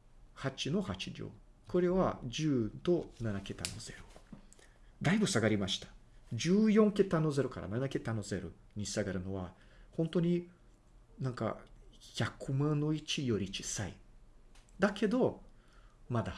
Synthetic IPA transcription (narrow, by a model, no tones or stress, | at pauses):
hat͡ɕino̞hat͡ɕidʲo̰ː | ko̞ɾe̞βad͡ʑɨːd̪o̞nanake̞t̪a̰no̞z̥e̞ɾo | d̪aibɯ̟saɡaɾʲimaɕi̥t̪ḁd͡ʑɨːjõ̞ŋke̞t̪anːo̞ze̞ɾo̞ka̰ɾʔa̰nanake̞t̪ano̞ze̞ɾo̰ | ɲ̟isaɡaɾɯ̟no̞βa | hõ̞nt̪o̞ɲ̟i | nãŋka̰çakɯ̟mãnnːo̞it͡ɕijo̞ɾʲit͡ɕi̥saḭ | d̪akʰe̞d̪o̞ | mad̪a